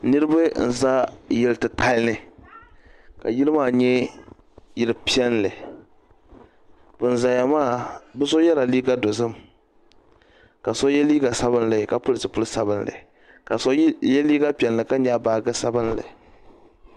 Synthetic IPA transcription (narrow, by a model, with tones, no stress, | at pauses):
nɨ˦ɾɨ˦bɨ˦n̩˨za˦jɪ˦lɨ˦tɨ˨tʰa˦lnɨ˨ | ka˨ji˦lɨ˦maː˦ɲɛ˦ | jɪ˨lɨ˦pi˦ɛ˦nlɨ˨ | bɨ˨n˨za˨ja˨maː˦˨bɨ˦so˦jɛ˦la˨liː˦ɡa˦do˨zɨ˦m | ka˨so˦jɛ˦liː˦ɡa˨sa˦bɨ˦nlɨ˨ka˨pʊ˦lɨ˦˨tɨ˨pʊ˦lɨ˦sa˦bɨ˦nlɨ̰˨ | ka˨so˦jɛ˦liː˦ɡa˦pi˨ɛ˨nlɨ˨ka˦ɲa˦˨baː˨ɡɨ˦sa˦bɨ˦nlɨ̰˨